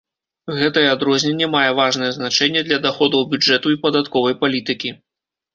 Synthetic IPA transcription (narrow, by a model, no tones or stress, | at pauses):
ɣɛt̪ɐjɛad̪ɾɔzʲnʲɛnʲːɛmajɛvaʐnɐjɛznat͡ʂɛnʲːɛd̪lʲɐd̪axɔd̪ɐwbʲud͡ʐɛt̪uipɐd̪at̪kɔvɐjpalʲit̪ɨkʲi